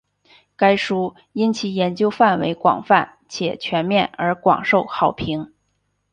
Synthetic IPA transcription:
ka˥ɪʂu˥ | i˥nt͡ɕʰi˨˩jɛ˧˥nt͡ɕjo˥ʊfa˥˩nwḛ˧˥ɪkwɑ̰˨˩ŋfa˥˩n | t͡ɕʰjɛ̰˨˩t͡ɕʰɥɛ˧˥nmjɛ˥˩nə˞˧˥kwɑ̰˨˩ŋʂo˥˩ʊxɑ˨˩ʊpʰi˧˥ŋ

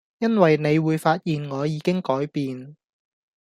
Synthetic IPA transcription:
jɐ˥nwɐ˨jne˨˧jwuː˨˧jfaː˧t̚jiː˨nŋɔː˨˧jiː˨˧kɪ˥ŋkɔː˨˥jpiː˨n

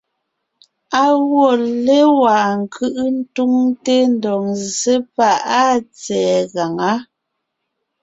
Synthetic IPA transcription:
a˦ɣwɔ˦˨le˦wa˨ŋ̩˨kʰɯ˦ʔn̩˦tu˦ŋte˦n̩˨˦dɔ˨ŋze˦pa˦˨a˦t͡sɛː˨ɣa˨ŋa˨˦

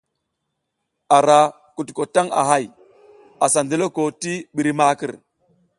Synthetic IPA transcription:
a˨ɾa˨ | ku˨tko˨ta˦ŋa̰˨ɦa˦˨j | a˨sa˨ndi˦lo˦ko˨ti˦ɓi˨ɾi˦ma˦ki˦˨ɾ

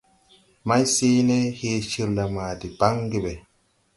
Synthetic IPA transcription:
ma˦jseː˦ne˦heː˦ʃi˦ɾla˨maː˨di˨b̥a˦ŋɡi˦˨be˨

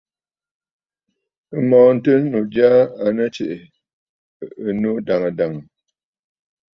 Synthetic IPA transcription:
ə˦mɔː˨˦n̩˦tɨ˦nu˨d͡ʒja˦a˨nə˦t͡ʃe˨ʔ | ə˨no˦da˨ŋə˨da˨ŋ˨

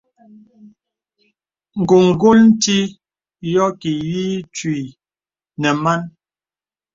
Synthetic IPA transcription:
ŋ̩˨ɡu˨ŋ˨ɡo˦ln̩˦ti˦ | jɔ˦ki˨jiː˦t͡ʃwi˨ | nɛ˨ma˦n

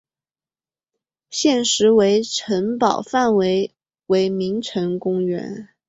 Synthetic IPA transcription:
ɕjɛ˥˩nʂɻ̩˧˥we˧˥ɪʈ͡ʂʰə˧˥npɑ˨˩ʊfa˥˩nwe˧˥ɪ | we˧˥ɪmi˧˥ŋʈ͡ʂʰɤ˧˥ŋkʊ˥ŋɥɛ̰˧˥n

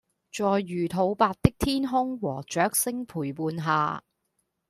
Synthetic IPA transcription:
t͡ʃɔː˨˧jːyː˨˩t̪ʰo˨˧wpaː˧t̚t̪ɪ˥k̚t̪ʰiː˥nɦʊ˥ŋwɔː˨˩t͡ʃœː˨˥k̚sɪ˥ŋpʰuː˨˩jpuː˨˧nɦa̰ː˨˧

